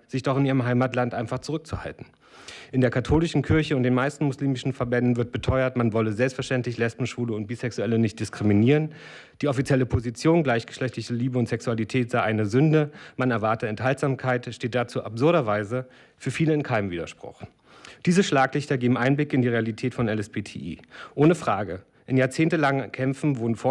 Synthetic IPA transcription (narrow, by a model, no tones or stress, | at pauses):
z̥ɪçd̥ɔχɪnʔiːʁ̞əmɦaɪmaːtlantʔaɪnfaχt͡suʁʏk̚t͡suha̰ltn̩ | ʔɪndeːɐkʰatʰoːlɪʃn̩kʰɪɐçəʊntd̥eːnmaɪstn̩mʊsliːmɪʃn̩fɛɐbɛndn̩vɪɐt̚b̥ətʰɔʏɐtmanvɔləzɛlpstfɛɐʃtɛntlɪçlɛspm̩ʃv̥uːləʊnt̚b̥iːsɛksuɛlənɪçt̚d̥ɪskʁ̥iminiːʁ̞ən | d̥iːɔfit͡sjɛləpʰozit͡sjoːnɡlaɪçɡ̥ə̥ʃlɛçtlɪçəliːbəʊntz̥ɛksualitʰɛːtz̥aɪʔaɪnəzʏndəmanɛɐvaɐtəɛnthaltz̥aːmkʰaɪtʃteːt̚d̥at͡suːʔapz̥ʊɐɾɐvaɪzə | fyːɐfiːləɪnkʰaɪnəmviːdɐʃpʁ̥ʊ̰χ | d̥iːzəʃlaːklɪçtɐɡeːbm̩ʔaɪnblɪkɪndiːʁealitʰɛːtfɔnɛlɛsb̥eːtʰḛːʔḭːʔoːnəfʁ̥aːɡə | ʔɪnjaːɐt͡seːntəlaŋkʰɛmfn̩voːdn̩fɔɐ